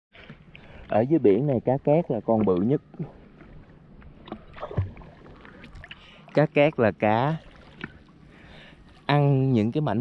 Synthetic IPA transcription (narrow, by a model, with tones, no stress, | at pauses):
ʔəː˧˩zəː˨˦jɓḭ˧˩ənːa˨˩jkaː˨˦kɛː˦˥k̚laː˨˩kɔ˧nɓɨ̰˧˨ɲə˦˥t̚ | kaː˨˦˥kkɛ˦˥k̚laː˨˩kaː˧˦ | ʔa˧ŋɲɨ̰˧˥ŋkaː˨˦jma̰˧˨ŋ